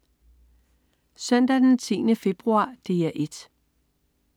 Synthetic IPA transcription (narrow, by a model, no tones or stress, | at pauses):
sœn̰d̥æd̥nt͡sʰḭːnəfe̝b̥ʁuɑ̰̈ːd̥e̝ːæʔe̝d̥